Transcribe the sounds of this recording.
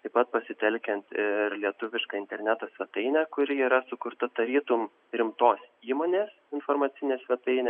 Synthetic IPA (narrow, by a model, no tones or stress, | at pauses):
t̪ɐɪpɐt̪̚pɐsʲɪt̪ʲɛlʲkʲɛnt̪ɪɾlʲiɛt̪ʊʋʲɪʃkɑːɪnʲt̪ʲɛɾʲnʲæt̪oːsʲʋʲɛt̪ɐɪnʲæːkʊɾʲɪiːɾɐsʊkʊɾt̪ɐt̪ɐɾʲiːt̪ʊm | ɾʲɪmt̪oːsiːmoːnʲeːs | ɪnfoːɾmɐːt̪sʲɪnʲeːsʲʋʲɛt̪ɐɪnʲɛː